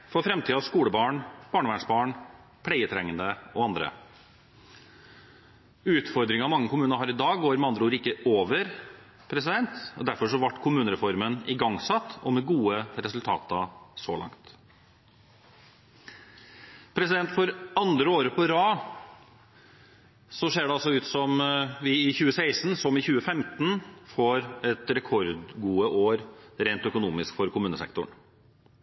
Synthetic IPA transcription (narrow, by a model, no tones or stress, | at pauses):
fɔɾfɾɛmt̪ʰiːɑskuːləbɑːɳb̥ɑːɳəʋæːɳʂbɑːɳ | pʰlɛɪət̪ʰɾɛŋːənd̪əɔɑnd̪ɾə̰ | ʉːt̪fɔɾd̪ɾɪŋɑmɑŋːəkʰʊmʉːnəɾɦɑːɾɪd̪ɑːɡɡoːɾmɛɑnd̪ɾəuːɾəɪkːəoːʋəɾ | pʰɾɛsɪd̪ɛnt̪ɔ̰d̪æɾfɔʂɔʋɑʈːkʰʊmʉːnəɾɛfɔɾmənɪɡɑŋsɑt̪ːɔ̰mɛɡuːəɾɛsʉlt̪ʰɑ̰ːt̪ɑso̰ːlɑ̰ŋt̪ | pʰɾɛsɪd̪ɛnt̪fɔɾɑnd̪ɾəoːɾəpʰɔɾɑː | sɔʂeːɖɛɑlsɔʉːt̪sɔmʋɪɪçʉːəsæɪsnsɔmɪçʉːəfɛmt̪n̩foːɾɛt̪ɾɛkʰɔɾd̪ɡuːəʔoːɾɾeɪnt̪œkʊnuːmɪskfɔɾkʰʊmʉːnəsɛ̰kt̪ʊ̰ɳ